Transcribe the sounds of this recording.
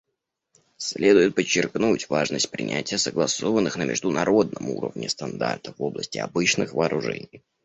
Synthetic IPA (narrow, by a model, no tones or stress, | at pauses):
sʲlʲʔed̪ʊjɪt̪̚pət͡ɕːɪrknutʲvaʐnəsʲt̚ʲpɾʲɪ̰nʲʔætʲɪjəsəɡlˠɐso̞vənːɨxnəmʲɪ̰ʐd̪ʊnɐɾo̞d̪̚nəmṵɾə̰vnʲɪst̪ɐnd̪art̪əvo̞blˠəsʲtʲɪɐbɨt͡ɕnɨxvəːɾʊʐɛ̰nʲɪj